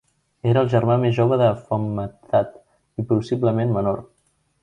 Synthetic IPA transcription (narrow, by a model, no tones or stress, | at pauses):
eɾəːlˠʒərmamezʒoβəðəfəmːət̪at̪ | ipɾusibləmenmənor